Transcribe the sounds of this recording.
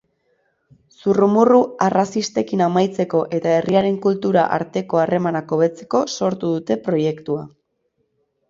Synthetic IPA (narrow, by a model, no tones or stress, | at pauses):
surumuruarasist̪e̞kinamajt͡se̞ko̞ʔe̞t̪ae̞rʔiaɾe̞ŋkult̪uɾa̰ʔa̰ɾt̪e̞ko̞are̞manako̞βe̞t͡se̞̥ko̞so̞ɾt̪uðut̪e̞pɾo̞je̞kt̪ua